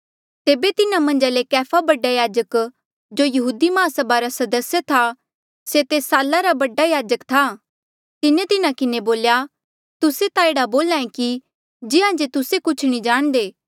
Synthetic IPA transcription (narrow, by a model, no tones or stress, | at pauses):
t̪eːbet̪ɪnãmɐ̃nd͡ʒalekɛːpʰabɐɖajaːd͡ʒək | d͡ʒoːjɐɦuːd̪imaːsəbaɾasɐd̪əsjət̪ʰa | set̪eːsaːlːaɾabɐɖajaːd͡ʒəkt̪ʰa | t̪ɪnẽt̪ɪnãkɪneboːlja | t̪ʊset̪aeːɽaboːlãːẽki | d͡ʒɪɦãd͡ʒet̪ʊsekʊt͡ʃʰnĩd͡ʒaːɽ̃d̪eː